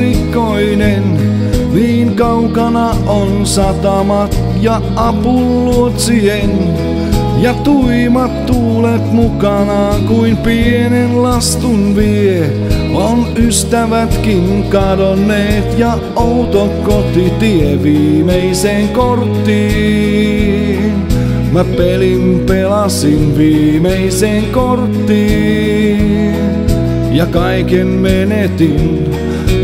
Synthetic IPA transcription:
ikoinen | niːŋkɑukɑnɑ | ʔonsɑt̪ɑmɑt̪ | jɑ | ʔɑpulːuot̪sien | jɑt̪uimɑt̪tuːlet̪mukɑnɑkuimpienenlɑst̪unʋie | onyst̪æʋæt̪kin | kɑdonːeːt̪jɑ | out̪okot̪it̪ieʋiːmeiseːŋkort̪ːiː | n | mæpelimpelɑsinʋiːmeiseːŋkort̪ːiː | jɑkɑikemmenet̪in

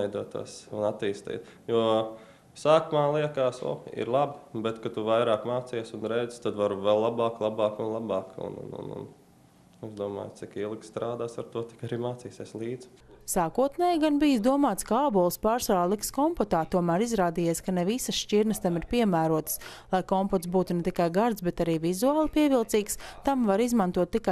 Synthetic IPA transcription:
jd̪uɔt̪ːṵsunat̪ːiːst̪ḭːt̪juɔ | saːkumaːlˠiɛkaːsɔ̰ḭɾlˠabbɛt̪kat̪uvajɾaːkmaːt̪sijsunɾɛjzst̪ad̪ʋaɾuvɛlˠlːˠabɑːklˠabɑːkunlˠabɑːkṵnṵnṵnṵn | ɛzd̪uɔma̰ːjt̪ikilˠkst̪ɾaːd̪aːsaɾt̪uɔt̪i̥kaɾiːmaːt̪siːseslˠiːd̪z̥ | saːkuɔt̪nɛːjɡanbijsd̪uɔmaːt̪skaaːbɔlˠspaːɾsaːlˠikskɔmpɔt̪aːt̪uɔmæːɾizɾaːd̪iːjeːskanevisɐsʃt͡ʃiɾnəst̪amiɾpiɛmæːɾuɔt̪ə̥s | lˠajkɔmpɔt̪sbuːt̪unet̪ikajɡaɾt̪sbɛt̪aɾiːvizuaːlˠpiɛvilˠt̪siːkst̪amvaɾizmant̪uɔt̪ːika

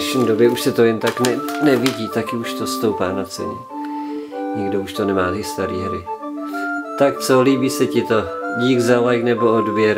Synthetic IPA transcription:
ʃɲiːdo̞bjɛuʃsɛt̪o̞jɛnt̪aknɛnɛvɪɟiːt̪akɪuʃt̪o̞st̪owpaːnat͡sɛ̰ɲɛ | ɲɪɡdouʃt̪o̞nɛmaːt̪ɪst̪aɾiːɦɾɪ | t̪akt͡soliːbiːsɛcɪt̪oɟiːɡzalajknɛbo̞odvjɛɾ

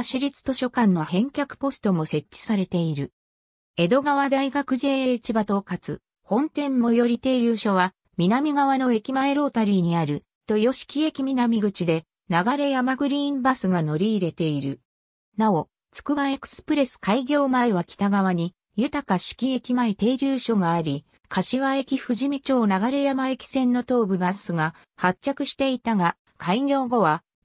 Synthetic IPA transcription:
aɕiɾʲit͡sɨ̥t̪o̞ɕo̞kãnːo̞hẽ̞ŋkʲakɯ̟̥po̞sɨ̥t̪o̞mo̞se̞t͡ɕt͡ɕːi̥saɾe̞t̪e̞iɾɯ̟ | e̞d̪o̞ɡaβad̪aiɡakɯ̟ʑe̞ːet͡ɕibat̪o̞kat͡sɨ̰ | hõ̞nt̪ẽ̞mːo̞jo̞ɾʲit̪e̞ɾʲɯːɕo̞βa | mʲinamʲiɡaβano̞e̞kʲimae̞ɾo̞ːt̪aɾʲiːɲ̟iaɾɯ̟ | t̪o̞jo̞ɕi̥kʲie̞kʲimʲinamʲiɡɯ̟t͡ɕid̪e̞ | naɡaɾe̞jamaɡɯ̟ɾʲiːmbasɨɡano̞ɾʲiːɾe̞t̪e̞iɾɯ̟̰ | nao̞ | t͡sɨ̥kɯ̟baekɯ̟̥sɨ̥pɯ̟ɾe̞sɨ̥kaiɡʲo̞ːmaiβakʲi̥t̪aɡaβ̞aɲ̟i | jɯ̟t̪akaɕi̥kʲie̞kʲimait̪e̞ːɾʲɯːɕo̞ɡaːɾʲi | kʰaɕiβae̞kʲiɸɯ̟ʑimʲit͡ɕo̞ːnaɡaɾe̞jamae̞kʲi̥sẽ̞nːo̞t̪o̞ːbɯ̟ɡasɨɡa | hatt͡ɕːakɯ̟ɕi̥t̪e̞it̪aɡa | kaiɡʲo̞ːɡo̞βa

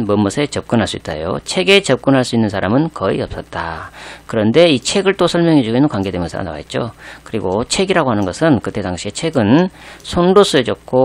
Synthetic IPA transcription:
mʌmːʌsʰe̞t͡ɕʌp̚k͈ɯnɦaɭs͈uit͈̚a̰jo̰t͡ɕʰe̞ɡe̞t͡ɕʌp̚k͈ɯnɦaɭs͈uinːɯnsʰaɾamɯnkʌḭʌp̚s͈ʌt̚t͈akɯɾʌnde̞it͡ɕʰe̞ɡɯɭt͈osʰʌɭmjʌŋɦed͡ʑuɡenɯnkwaŋɡe̞dwemjʌnsʰa̰a̰na̰wa̰ɦḛt̚t͡ɕ͈o̰kɯɾiɡot͡ɕʰe̞ɡiɾaɡoɦanɯnɡʌsʰɯnkɯt͈ːe̞taŋɕʰie̞t͡ɕʰe̞ɡɯnsʰonɾos͈ued͡ʑʌk̚k͈ʰo

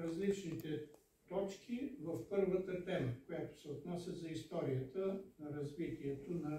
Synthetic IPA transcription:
ɾɐzlit͡ʃnit̪ɛ | t̪ɔt͡ʃkʰivɐfpɤɾvət̪ət̪ɛməkojat̪o̥sɛot̪nɔsʲjəzɐist̪ɔɾiət̪ənɐɾɐzvit̪iɛt̪onɐ

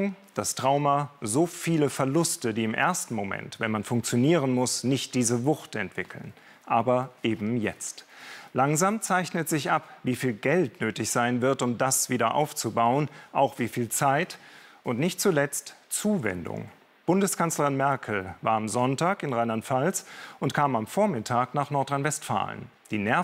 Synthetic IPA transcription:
ŋd̥astʁ̥aʊmazoːfiːləfɛɐlʊstədiːɪmʔḛɐstn̩momɛ̰ntvɛnmanfʊŋk̚t͡sjoniːʁənmʊsnɪçt̚d̥iːzəvʊxtɛ̰ntv̥ɪkʰl̩n | ʔaːbɐʔeːbm̩jɛ̰t͡stlaŋzaːmt͡saɪçnətz̥ɪçʔapviːfiːlɡɛltnøːtɪçz̥aɪnvɪɐtʊmd̥asv̥iːdɐʔa̰ʊft͡subaʊənʔaʊxv̥iːfiːlt͡saɪtʔʊntnɪçtt͡sulɛt͡stt͡suːvɛ̰ndʊ̰ŋ | b̥ʊndəskʰanslɐʁɪnmɛɐkʰl̩va̰ːɐamzɔntaːkɪnʁaɪnantfalsʊntkʰaːmamfoːɐmɪtʰaːknaːχnɔɐtʁaɪnvɛstfa̰ːlə̰n | d̥iːnɛɐ

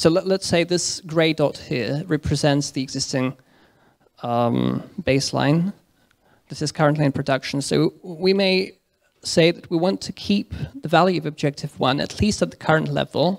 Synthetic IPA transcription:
soʊlətseɪðɪsɡ̥ɹeɪdɔt̚hiɹɹɛpʰɹ̥ɨzɛ̃ntsðiɨɡz̥ɪstɪ̃ŋ | mb̥eɪslã̰ɪ̃n | ðɨɾɨz̥kʰʌ˞ɨ̃nʔliɨ̃npʰɹ̥ɨdʌkʃn̩soʊwimeɪ | seɪðɨt̚wiwɑ̃ntʰɨkʰip̚ðɨvælˠjʉʌvɨb̚d͡ʒɛk̚tʰɨvwʌ̃nɨ̰tʰˡlistət̪̚ðəkʰʌ˞ɨ̃nʔlɛ̰vl̩ˠ

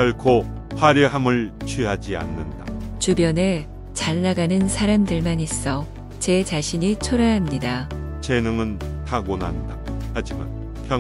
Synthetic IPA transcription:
aɭkʰo | ɸaɾjʌɦamɯɭt͡ɕʰwɥiɦad͡ʑia̰nːɯndat͡ɕubjʌne̞ | t͡ɕaɭːaɡanɯnsʰaɾamdɯɭmanis͈ʌ | t͡ɕe̞t͡ɕaɕʰiɲit͡ɕʰoɾaɦamɲidat͡ɕenɯŋɯntʰaɡona̰ndahad͡ʑima̰n | pʰjʌ

